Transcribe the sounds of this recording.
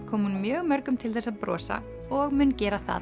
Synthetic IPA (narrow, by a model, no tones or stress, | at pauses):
kʰɔːmhunmjœːɣmœɾkʏmt̪ʰɪlθɛsːaðpɾɔ̰ːsa̰ | ɔɣmʏncɛːɾaθa̰ð